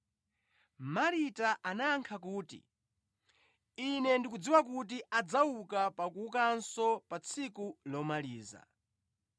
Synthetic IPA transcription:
maɾitaʔanaːŋkʰakuːtḭ | inɛndikud͡ziwak̬ut̬iʔad͡zaukapakuːkansɔpat͡sʰikulɔmaliːza̰

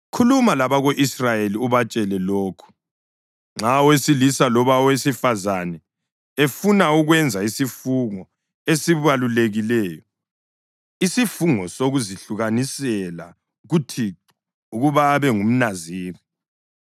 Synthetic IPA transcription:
kʰulumalaβaɣoʔisrajeliuβat͡ʃʼɛlɛloːkʰu̥ | ŋ͡ǁʱawesilisalɔβawesifazanɛ | efunauɣwɛnd͡zʱaisifuŋɔ | esiβaluleɣilɛːjɔ | isifuŋɔsoɣuziɬuɣanisɛla | uɣutʰiǁu | uɣuβaβɛŋum̩naziːri

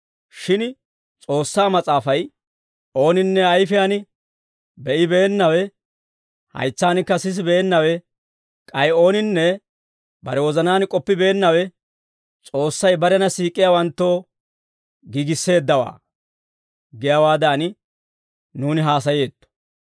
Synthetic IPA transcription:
ʃɪn | t͡sʼo̞ːsːaːmɐt͡sʼaːfɐj | o̞ːnɪnːɛɐjfɪjaːnɪ | bɛʔɪbe̞ːnːɐwɛ | hɐ̰jt͡sːaːnɪkːɐsɪs̬ɪbeːnːɐwɛ | kʼɐjo̞ːnɪnːɛ | bɐ̰ɾɛwɔzɐnaːnkʼɔpːɪbe̞ːnːɐwɛ | t͡sʼo̞ːsːɐjbɐɾɛnɐsiːkʼːɪjaːwɐnt̪ːo̞ː | ɡiːɡɪsːe̞ːd̪ːɐwa̰ː | ɡɪjawaːd̪aːnɪ | nuːnɪɦaːsɐje̞ːt̪ːɔ̥

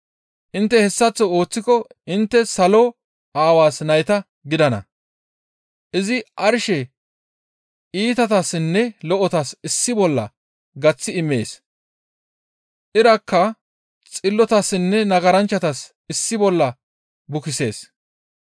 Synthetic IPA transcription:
ʔɪnt̪ːɛhɛsːɐt͡sːɔo̞ːt͡sːɪkɔɪnt̪ːɛsɐlɔ | ʔaːwaːsnɐjt̪ɐ | ɡɪd̪ɐnɐ̰ | ʔɪzɪʔɐɾʃɛ | iːt̪ɐt̪asɪnːɛlɔʔɔt̪ɐsɪsːɪbɔlːɐ̰ | ɡɐt͡sːɪɪmːe̞ːs | ʔɪɾɐkʰːɐ | t͡sʼɪlːɔt̪asːɪnːɛnɐɡɐɾɐnt͡ʃːɐt̪ɐs | ɪsːɪbɔlːɐ | bʊkɪse̞ːs

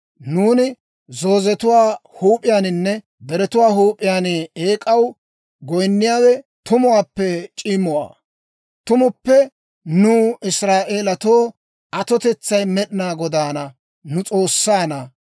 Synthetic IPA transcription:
nuːnɪ | zo̞ːzɛt̪ʊwaːhuːpʼɪjaːnɪnːɛ | d̪ɛɾɛt̪ʊwaːɦuːpʼːɪjaːnɪeːkʼɐw | ɡɔjnːɪjaːwɛt̪ʊmʊwaːpːɛt͡ʃʼɪmɔwa̰ː | t̪ʊmʊpːɛ | nʊːɪsɾaːʔeːlɐt̪oː | ʔɐt̪ɔt̪ɛt͡sːɐjmɛɗɪnaːɡɔd̪aːnɐ | nʊt͡sʼo̞ːsːaːnɐ

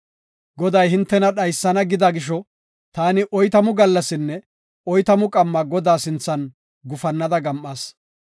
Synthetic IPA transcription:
ɡɔd̪ɐjɦɪnt̪ːɛnɐɗɐjsːɐnɐɡɪd̪aɡɪʃ̬ɔ | t̪aːnɪʔɔjt̪ɐmʊɡɐlːɐsɪnːɛ | ɔjt̪ɐmʊkʼɐmːɐɡɔd̪aːsɪnt͡sːɐn | ɡʊfɐnːɐd̪ɐɡɐmʔːaːs

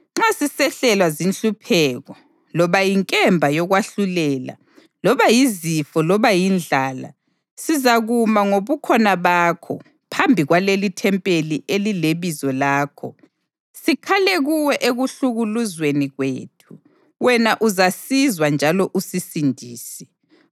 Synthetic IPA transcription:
ŋ͡ǁasisɛɬɛlwazinɬupʰɛːɣɔ | lɔβajiŋkʼɛmbʱajɔɣwaɬulɛːla̰ | lɔβajizifɔlɔβajind͡ɮʱaːla̰ | sizaɣumaŋoβukʰɔnaβaːkʰɔ̰ | pʰambʱiɣwalelitʰɛmpʼeliʔelileβizɔlaːkʰɔ̰ | sikʰaleɣuwɛʔeɣuɬuɣuluzweniɣweːtʰu | wɛnaʔuzasizwand͡ʒʱalɔʔusisindʱiːsɛ̥

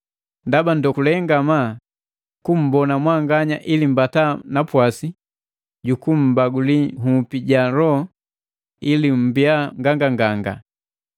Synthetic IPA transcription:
ndabandɔkulɛŋɡama | kum̩bɔnamwaŋɡaɲaʔilim̩batanapwasi | ɟukum̩baɡulihupiɟaɾɔ | ilim̩biaŋɡaŋɡaŋɡaŋɡa̰

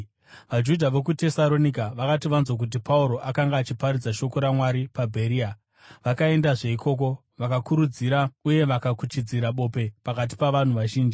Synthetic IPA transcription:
ʋad͡ʒudʱaʋe̞k̬ute̞salo̞nikaʋakatiʋanzok̬ut̬ipʰauɾo̞ʔakaŋɡaːt͡ʃipaɾid͡zaʃo̞ko̞ɾamwaɾipabʱe̞ɾia | ʋakae̞ndaʐe̞ikʰo̞ːk̬o̞ | ʋakakuɾud͡ziɾauje̞ʋakakut͡ʃid͡ziɾaɓo̞ːpe̞pakat̬i̥paʋan̤uʋaʒiːnd͡ʒi

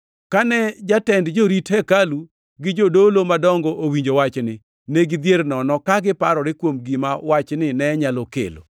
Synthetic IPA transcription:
kanɛd͡ʒatɛndd͡ʒoɾithɛkalu | ɡɪd͡ʒodolomadɔŋɡɔʔowiɲd͡ʒowat͡ʃnɪ | neɡɪd̪jeɾnɔnɔkaɡɪpaɾɔɾɪkwomɡɪmawat͡ʃnɪnɛɲalɔkḛlo̰

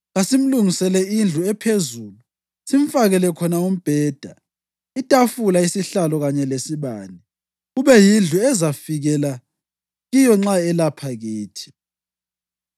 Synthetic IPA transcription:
ɣasim̩luŋisɛlɛind͡ɮʱuɛpʰezuːlu | siɱfaɣɛlɛkʰɔnaum̩b̥ʱɛːd̥ʱa | itʼafulaisiɬalɔɣaɲɛlesiβaːni | ɣuβɛjind͡ɮʱuɛzafiɣɛla | ɣijɔŋ͡ǁaɛlapʰaɣiːtʰi̥

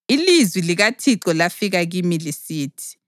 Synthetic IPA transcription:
ilizwiliɣatʰiǀɔlafiɣaɣimilisiːtʰi̥

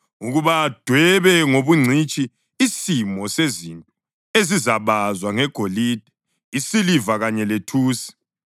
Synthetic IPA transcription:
uɣuβad̥ʱwɛβɛŋoβuŋ͡ǀʱit͡ʃʼiː | simɔsezintʼɔ | ezizaβazwaŋɛɡ̥ʱolid̥ʱɛ | isilivaɣaɲɛletʰuːsi̥

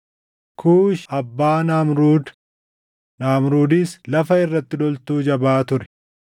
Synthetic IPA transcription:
kʰuːʃɐbːaːnaːmɾuːd̪ | naːmɾuːd̪iːslɐfɐɪrːɐt̪ːɪd̪ɔlt̪uːd͡ʒɐbaːt̪ʊɾɛ̥

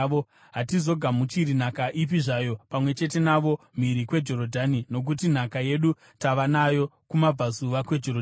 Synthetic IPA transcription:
o | ɦatizo̞ɡʱamut͡ʃiɾin̤akaʔip̬iʐaːjo̞pamwe̞t͡ʃe̞te̞naʋo̞m̤iɾikwe̞d͡ʒo̞ɾodʱanino̞k̬utin̤akaje̞ɗu | taʋanajo̞kumab͡vazuʋakwe̞d͡ʒorod

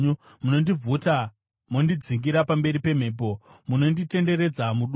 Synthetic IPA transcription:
munondib͡vuta | mondid͡ziŋɡiɾapambe̞ɾipe̞m̤e̞ːp̬o̞muno̞ndite̞nde̞ɾe̞d͡zamuɗ

